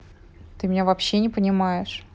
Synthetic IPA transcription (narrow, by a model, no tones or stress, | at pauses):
t̪ɨmʲɪnʲavɐpɕːenʲɪpənʲɪmajɪʂ